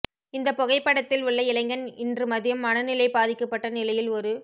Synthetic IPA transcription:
ɪnd̪ɐpːɔɣɐɪpːɐɽɐt̪ːɪlʊɭːɐɪlɐɪŋɡɐnɪndrɯmɐðɪjɐmːɐnɐnɪlɐɪpaːðɪkːɐpːɐʈːɐnɪlɐjɪlɔɾɯ

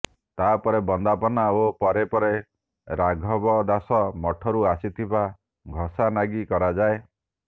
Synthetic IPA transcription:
t̪apɔɾebɔnd̪apɔnaopɔɾepɔɾe | ɾaɡʱɔbɔd̪asɔmɔʈʰɔɾuasit̪ʰiba | ɡʱɔsanaɡikɔɾad͡ʒae

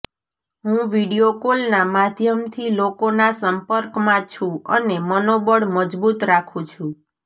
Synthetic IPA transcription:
ɦũʋiɽijokolnamad̪ʱjəmt̪ʰilokonasəmpəɾkmãt͡ʃʰũə̰nemənobəɽməd͡ʒbut̪ɾakʰũt͡ʃʰũ

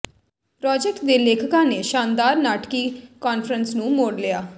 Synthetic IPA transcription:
pɾɔːd͡ʒek̚ʈd̪eːleːkʰəkãːneːʃaːnd̪aːɾnaːʈkiːkaːnfɾənsnũːmoːɽlɪjaː

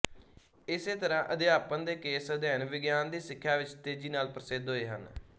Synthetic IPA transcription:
ɪseːt̪əɾãːʔəd̪ɪjaːpə̃nd̪eːkeːsəd̪ɛːnʋɪɡjaːnd̪iːsɪkʰːjaːʋɪt͡ʃt̪eːd͡ʒiːnaːlpɾəsɪd̪ɦoːeːɦə̰n

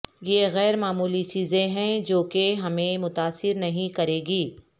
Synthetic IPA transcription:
jeɣɛːɾmaːmuːlit͡ʃiːzẽɦɛ̃d͡ʒoːkeɦɐmẽmʊt̪aːsɪɾnɐɦĩkɐɾeːɡiː

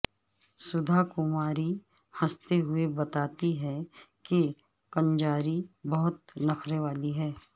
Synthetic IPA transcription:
sʊd̪ʱakʊmaːɾi | hɐ̃st̪eɦʊebɐt̪aːt̪iɦɛke | kɐ̃nd͡ʒaːɾibɐɦʊt̪nɐkʰɾeʋaːliɦɛː

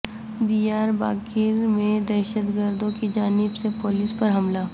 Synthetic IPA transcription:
d̪ijaːɾba̰ːkɪɾmẽd̪ɛːʃəd̪ɡəɾd̪õkid͡ʒaːnɪbsepoːlispɐɾɦɐmlaː

